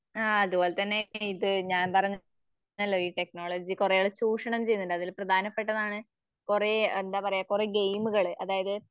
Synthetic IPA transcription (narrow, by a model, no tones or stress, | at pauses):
aːɐðubo̞ːlet̪ɐnːe̞iðɨɲaːnpɐrɐɲː | ɐlːo̞ːiːʈe̞kno̞ːɭɐd͡ʑikurejoɭːet͡ɕuːʂɐɳɐmt͡ɕe̞jːunːuɳɖɐðilprɐd̪ʱaːnɐpːe̞ʈ̬ːɐðaːɳɨ | kure̞end̪aːpɐrɐjaːkureɡejmuɣɐɭɨʔɐðaːjɐðɨ